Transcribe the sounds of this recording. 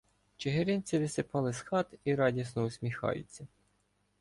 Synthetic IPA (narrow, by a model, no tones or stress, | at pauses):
t͡ʃeɦeɾʲɪnʲt͡sʲiʋɪsɪpɑlˠɪsxɑt̪iɾɑdʲisnɔʊsʲmʲixɑ̰jʊ̰t͡sʲːɐ